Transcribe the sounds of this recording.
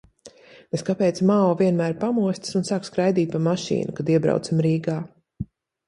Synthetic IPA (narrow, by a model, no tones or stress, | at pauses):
eskapɛːt̪smaːɔviɛnmæːɾpamuɔsʲt̪sunsaːkskɾajd̪iːt̪̚ʲpamaʃḭːnukad̪iɛbɾa̰w̪simɾiːɡaː